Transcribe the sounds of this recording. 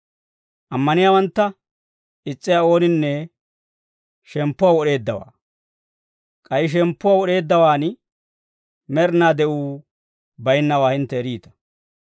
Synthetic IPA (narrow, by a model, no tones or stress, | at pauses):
ʔɐmːɐnɪjaːwɐnt̪ːɐ | ɪt͡sʼːɪjao̞ːnɪnːɛ | ʃɛmpːʊwaːwɔɗe̞ːd̪ːɐwa̰ː | kʼɐjɪʃ̬ɛmpːʊwaːwɔɗe̞ːd̪ːɐwaːn | mɛɾnaːd̪ɛʔuː | bɐjɪnːɐwaːhɪnt̪ːɛɾiːt̪ɐ̥